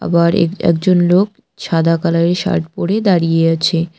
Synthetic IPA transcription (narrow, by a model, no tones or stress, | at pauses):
a̰baɾ̰ɛ̰k̚d͡ʑonlok̚ | ʃad̪akaleɾʃa̰ɾʈ̚poɽed̪aɾijeat͡ɕʰe